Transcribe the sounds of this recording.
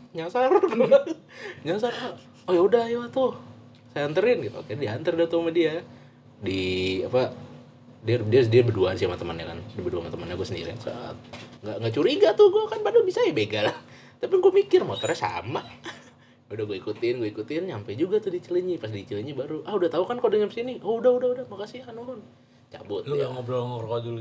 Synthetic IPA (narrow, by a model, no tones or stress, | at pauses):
ɲasarɡu | ɲasara | ojaudahjat̪ʊh | sajant̪əɾɪnɡit̪ṵkanadiant̪ərdit̪umadia | diapa | diadidiabəduansiamat̪əmanɲakandibəduamat̪əmanɲaɡuasəndḭɾiasa̰ʔa̰t̪̚ŋɡaʔŋɡaʔt͡ʃuɾiɡat̪ʊhɡuakanbadubisajabeɡala | t̪apiɡuamikɪrmot̪ɔrɲasa̰ma | udahɡuaikut̪ɪnɡuaikut̪ɪnɲampajd͡ʒuɡat̪ʊdit͡ʃələɲipast̪idit͡ʃələɲibaɾuʔahudaht̪aukankalodəŋəmsinioudahudaudahmakasianoʊn | t͡ʃa̰bʊt̪ŋboŋrkod͡ʒul